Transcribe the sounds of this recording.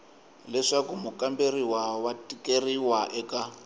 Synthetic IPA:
lɛʂakumukamberiwawatʼikeriwaʔɛka

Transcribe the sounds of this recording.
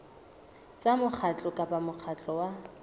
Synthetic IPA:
t͡sʼamʊk͡xʰat͡ɬʼɔkʼapʼamʊk͡xʰat͡ɬʼɔwa

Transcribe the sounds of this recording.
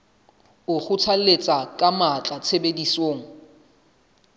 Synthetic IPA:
ʊχʊt͡sʰalet͡sʼakʼamat͡ɬʼat͡sʰebedisoːŋ̩

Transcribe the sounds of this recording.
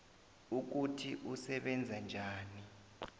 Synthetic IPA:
uk̬utʰiʔusɛɓɛnd͡zʱand͡ʒʱaːni

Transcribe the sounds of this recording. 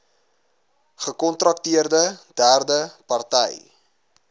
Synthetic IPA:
χəkɔntrɐk̚tiərdəd̥æːrdəpɐrtɛj

